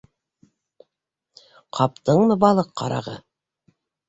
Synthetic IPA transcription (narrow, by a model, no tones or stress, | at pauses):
qʰɑp̚t̪ɤɴmɤbɑlˠɤqːɑ̰ɾɑ̰ʁɤ